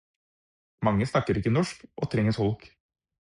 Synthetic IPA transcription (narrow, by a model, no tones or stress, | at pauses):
mɑŋːəsnɑkːəɾɪkːənɔʂkʔo̰ːt̪ʰɾɛŋːəsɔlk